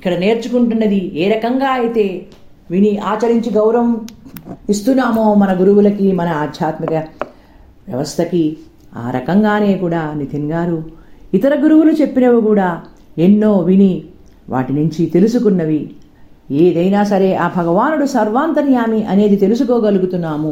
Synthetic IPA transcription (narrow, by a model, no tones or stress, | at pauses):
ikːɐɽɐne̞ːɾt͡ʃukuɳʈunːɐd̪ieːɾɐkɐŋɡaːɐjt̪e̞ː | ʋiniaːt͡ʃɐɾiɲt͡ʃiɡɐwɾɐm | ist̪unːaːmo̞ːmɐnɐɡuɾuwulɐkimɐnɐaːd̪ʱjaːt̪mikɐ | ʋjɐ̰ʋɐst̪ʰɐki | a̰ːɾɐ̰kɐŋɡaːne̞ːkuːɽaːnit̪ʰiŋɡaːɾuit̪ɐɾɐɡuɾuwulut͡ʃe̞pːinɐʋukuːɽaːe̞nːo̞ːʋini | ʋa̰ːʈinuɲt͡ʃit̪e̞lusukunːɐʋi | eːd̪ɐjnaːsɐɾe̞ːʔaːbʱɐɡɐʋaːnuɽusɐɾʋaːnt̪ɐnjaːmiʔɐne̞ːd̪it̪e̞lusuko̞ːɡɐluɡut̪unːaːmu